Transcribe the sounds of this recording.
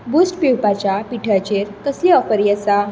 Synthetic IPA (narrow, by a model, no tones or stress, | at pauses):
busʈpiwpat͡ɕapiʈʰət͡ɕeɾt̪əsliɔfəɾjəsa